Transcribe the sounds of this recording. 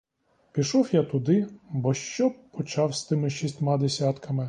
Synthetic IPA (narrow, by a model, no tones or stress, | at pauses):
pʲiʃɔwjat̪ʊd̪ɪbɔʃt͡ʃɔpɔt͡ʃɑwst̪ɪmɪʃisʲtʲmaɑd̪esʲat̪kɐmɪ